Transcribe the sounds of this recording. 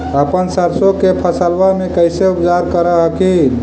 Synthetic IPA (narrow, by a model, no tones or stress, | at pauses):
əpənsəɾsokepʰəsəlʋamekəjseupd͡ʒaɾkəɾəɦəki